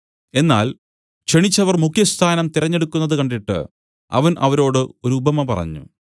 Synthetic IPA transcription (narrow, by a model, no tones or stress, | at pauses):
e̞nːa̰ːl | ɕe̞ɳit͡ɕːɐʋɐrmukʰjɐst̪ʰaːnɐmt̪iɾɐɲːe̞ɽukːunːɐðɨkɐɳɖiʈːɨ̰ | ɐ̰ʋɐnʔɐʋɐɾo̞ːɽɨo̞ɾuubɐmɐpɐ̰rɐ̰ɲːṵ